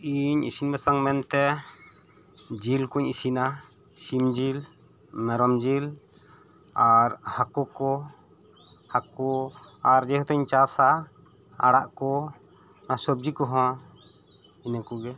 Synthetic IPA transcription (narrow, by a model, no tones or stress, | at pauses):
iɲʔḭsinbasaŋmɛnt̪ɛ | d͡ʒilkuɲisina | simd͡ʒil | mɛɾɔmd͡ʒil | aɾhakɔkɔ | hakɔaɾd͡ʒɛɦut̪ɔɲt͡ʃasa | a̰ɽaʔkɔ | nasɔb̚d͡ʒikɔɦɔ̃wã | inəkɔɡɛ